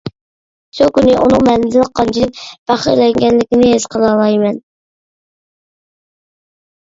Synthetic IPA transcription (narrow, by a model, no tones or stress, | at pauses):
sukʲynɪʔunɨŋmɛlɪd̪ɪlqʰːɑnt͡ʃʰilɪk̚ʲb̥ɑχəɾlɛŋɡʲɛnlɪkʲinɪɦez̥qʰəlˠɑlˠɑjmɛn